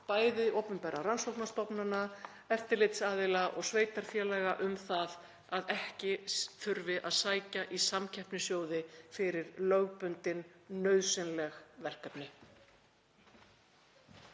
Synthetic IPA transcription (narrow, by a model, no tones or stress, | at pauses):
paːjðɪʔowpʏmpɛːɾaransowknast̪ɔpnana | ɛft̪ɪɾlejt̪saːðɪlaʔɔ̰ɣsveːjt̪aɾ̥fjɛːlɛɣaʔʏmθað | aðɛhcɪθʏɾvɪʔaðsaːjcaʔisamcʰɛhpnɪsjoːwðɪfɪɾɪɾlœɣpʏnt̪ɪnːœɥðsɪnlɛɣvɛr̥kɛpnɪ